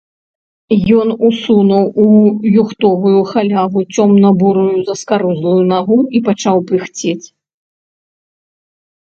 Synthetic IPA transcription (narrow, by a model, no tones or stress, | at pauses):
jɔnusunɐwujuxt̪ɔvujuxalʲavut͡sʲɔmnɐbuɾujuzɐskaɾuzlˠujunaɣuipat͡ʂawpɨxt͡sʲet͡sʲ